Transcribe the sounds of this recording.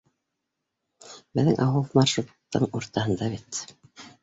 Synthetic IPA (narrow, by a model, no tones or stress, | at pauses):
bɘ̆ðɘŋʔɑwulˠmɑrʃut̪ːɤ̰ɴuɾt̪ɑhɤ̆nd̪ɑβit̪